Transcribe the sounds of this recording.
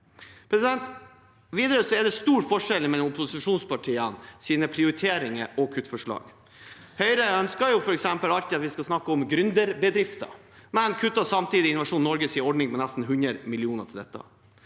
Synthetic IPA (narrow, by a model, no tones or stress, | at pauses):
pʰɾɛsɪd̪ɛnt̪ | ʋiːd̪əɾəsɔɛɖɛst̪uːɾfɔʂɛlmɛd̪ɛmɔpʊsɪʂuːnspʰɑʈʰiːənsiːnəpʰɾɪʊɾɪt̪ʰeːɾɪŋəɾʔɔkʰʉt̪ːfɔʂɭɑ̰ːɡ | hœʏɾəœnskəɾjʊfɔɾɛksɛmpəlɑlt̪ɪɑt̪ʋɪskɑsnɑkːəɔmɡɾʏnd̪əɾbəd̪ɾɪft̪ɑ̰ | mɛnkʰʉt̪ːɑsɑmt̪iːd̪ɪɪnʊʋɑʂuːnːɔɾɡəsiːɔɖɳɪŋpɛnæst̪n̩ɦʉnɾəɾmɪlɪuːnətʰɪld̪ɛt̪ːə̰